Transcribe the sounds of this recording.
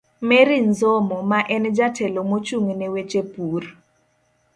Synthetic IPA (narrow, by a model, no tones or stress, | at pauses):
mɛɾinzomɔmaʔɛnd͡ʒatʰɛlomot͡ʃuŋnewet͡ʃepur